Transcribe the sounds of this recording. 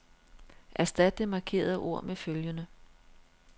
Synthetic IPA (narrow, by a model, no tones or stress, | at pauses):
ʔæsd̥æd̥əmɑ̈kʰe̝̰ːɐð̩ˠʔo̝ɐ̰meføljənə